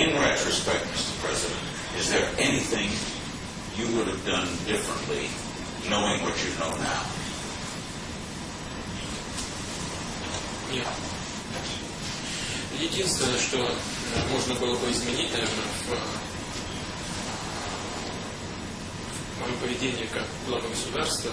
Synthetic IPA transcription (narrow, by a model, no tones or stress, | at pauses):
ɪ̃nɹɛtɹɨspɛk̚t̚mɪstə̥˞pʰɹ̥ɛzɨɾɨ̰̃nt | ɨzðə˞ɛniθɪ̃ŋ | jɨwʊɾɨvdʌ̃ndɪfɹə̃nʔlḭ | noʊɪ̃ŋwʌt͡ʃɨnõʊ̃nːa̰ʊ | nʲet̪ | jɪdʲinst̪vʲɪnːəjəʂt̪o̞ | mo̞ʐnəbɨlˠəbɨɪzmʲɪnʲitʲnɐvʲernəvə | məjopəvʲɪdʲenʲɪjəkak̚ɡlˠavəɡəsʊd̪arst̪və